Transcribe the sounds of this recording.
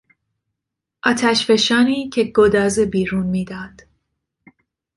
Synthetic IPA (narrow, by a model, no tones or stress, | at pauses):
ʔɒːt̪ʰæʃfeʃɒːniːcʰe̞ɡod̪ɒːzebiːɾuːnmiːd̪ɒːd̪̥